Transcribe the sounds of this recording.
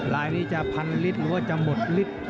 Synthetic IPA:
laː˨˧˦jniː˦˥˩t͡ɕa˧˩pʰa˧nli˦˥t̪̚ɾɯː˨˦waː˧˩t͡ɕa˧˨mo˨˩t̪̚li˦˥˩t̪̚

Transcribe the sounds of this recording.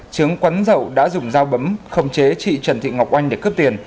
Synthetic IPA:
t͡ɕɨ˨˦əŋkwa˨˦nzə̰˧˨wɗa̰ː˧˥zʊ˨˩ŋ͡mzaː˧wɓə˨˦mxə˧wŋ͡mt͡ɕe˨˦t͡ɕḭ˧˨t͡ɕə˧˩nt̪ʰḭ˧˨ŋ˨˩wk͡p̚ʔa˧jŋ̟ɗe˧˩kəː˦˥p̚t̪i˨˩ən

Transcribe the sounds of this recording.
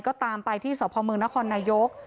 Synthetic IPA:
kɔː˥˩t̪aː˧mpa˧jt̪ʰiː˥˩sɔː˩˦pʰɔː˧mɯː˧əŋna˦˥kʰɔː˧nːaː˧jo˦˥k̚

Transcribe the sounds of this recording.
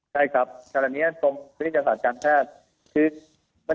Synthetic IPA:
t͡ɕʰa˥˩jkʰɾa˦˥p̚kːnaː˨˩niː˦˥ɐso˧ŋpʰt̪i˥˩ja˧saː˨˩kaː˧nt͡ɕʰaː˥˩t̪̚ | kʰɯː˧ | ma˧

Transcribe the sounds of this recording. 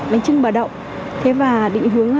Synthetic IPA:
la˨˦ŋ̟t͡ɕɨ˧ŋɓəː˨˩ɗə̰˧˨wŋ͡m | t̪ʰe˨˦vaː˨˩ɗḭ˧˨ŋ̟ɦɨ˨˦əŋ

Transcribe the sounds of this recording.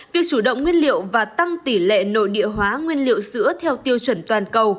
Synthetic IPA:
vi˨˩ək̚t͡ɕu˧˩ɗə̰˧˨wŋ͡mŋwi˧ənlḭ˧˨əwvaː˨˩t̪a˧ŋt̪i˧˩lḛ˧˨no̰˧˨jɗḭ˧˨əɦwaː˨˦ŋwi˧ənlḭ˧˨əwsɨ̰˧˥ət̪ʰɛ˧wt̪i˧əwt͡ɕwə˧˩nt̪waː˨˩nkə˨˩w

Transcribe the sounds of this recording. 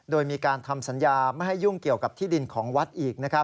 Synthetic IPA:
doː˧jmiː˧kaː˧nt̪ʰa˧msa˩˦njaː˧ma˥˩jha˥˩jːu˥˩ŋki˨˩əwka˨˩p̚t̪ʰiː˥˩di˧nkʰɔː˩˦ŋwa˦˥t̪̚ʔiː˨˩k̚na˦˥kʰɾa˦˥p̚

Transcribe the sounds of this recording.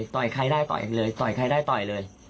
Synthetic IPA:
jt̪ɔ˨˩jkʰa˧˩jdaː˥˩jt̪ɔ̰˨˩jlɤː˧jt̪ɔ˨˩jkʰa˧˥jdaː˥˩jt̪ɔ˨˩jlɤː˧j

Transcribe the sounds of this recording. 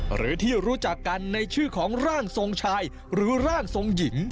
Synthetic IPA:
ɾɯ̰ː˩˦t̪ʰiː˥˩ɾuː˦˥t͡ɕa˨˩kːa˧nːa˧jt͡ɕʰɯː˥˩kʰɔː˩˦ŋɾaː˥˩ŋso˧ŋt͡ɕʰaː˧j | ɾɯː˩˦˥ɾaː˥˩ŋso˧ŋji˩˦ŋ

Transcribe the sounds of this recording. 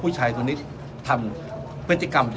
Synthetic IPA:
pʰuː˥˩t͡ɕʰaː˧jt̪ʰːni˦˥t̪ | t̪ʰa˧m | pʰɾɯ˦˥t̪ːi˧˩ka˧mt͡ɕ

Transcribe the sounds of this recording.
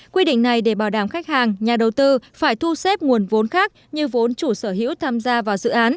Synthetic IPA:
kwi˧ɗḭ˧˨ŋ̟na˨˩jɗe˧˩ɓaː˧˩wɗaː˧˩mxa˦˥k̚haː˨˩ŋɲaː˨˩ɗə˨˩wt̪ɨ˧faː˧˩jt̪ʰu˧se˦˥p̚ŋu˨˩ənvo˨˦nxaː˦˥k̚ɲɨ˧vo˨˦nt͡ɕu˧˩səː˧˩ɦḭ˧˥wt̪ʰaː˧mzaː˧vaː˨˩wzɨ̰˧˨ʔaː˨˦n

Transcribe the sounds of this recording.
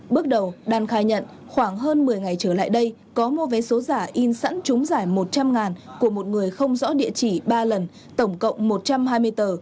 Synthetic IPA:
ɓɨ˦˥ək̚ɗə˨˩wɗaː˨˩nxaː˨˩jɲə̰˧˨n | xwaː˧˩ŋɦəː˧nmɨ˨˩əjŋa˨˩jt͡ɕəː˧˩la̰ː˧˨jɗə˧j | kɔ˨˦mo˧vɛ˨˦so˨˦zaː˧˩ʔi˧nsə̰˧˥nt͡ɕʊ˨˦ŋ͡mzaː˧˩jmo˨˩t̚t͡ɕa˧mŋaː˨˩nku˧˩əmo˨˩t̚ŋɨ˨˩əjxə˧wŋ͡mzɔ̰˧˥ɗḭ˧˨ət͡ɕi˧˩ɓaː˧lə˨˩n | t̪ə˧˩wŋ͡mkə̰˧˨wŋ͡mmo˨˩t̚t͡ɕa˧mɦaː˧jmɨ˧əjt̪əː˨˩

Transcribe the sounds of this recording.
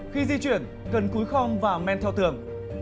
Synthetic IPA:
xi˧zi˧t͡ɕwḭ˧˩ən | kə˨˩nku˨˦jxɔ˧wŋ͡mvaː˨˩mɛ˧nt̪ʰɛ˧wt̪ɨ˨˩əŋ

